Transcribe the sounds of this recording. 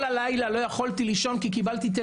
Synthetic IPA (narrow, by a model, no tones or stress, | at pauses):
lalajlalo̞jaχolt̪iliʃo̞nkikibalt̪it̪̬e